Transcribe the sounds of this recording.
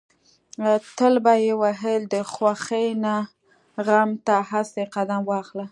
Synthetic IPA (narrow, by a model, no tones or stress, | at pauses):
at̪əlbajewaɦəld̪əxwaxəjna | ɣamt̪ahaseqad̪amwɑxla